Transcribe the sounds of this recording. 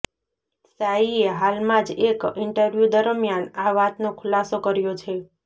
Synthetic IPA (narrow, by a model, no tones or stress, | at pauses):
saieɦalmãd͡ʒekɪɳʈəɾʋjud̪əɾmjanaʋat̪nokʰʊlasokəɾjot͡ʃʰe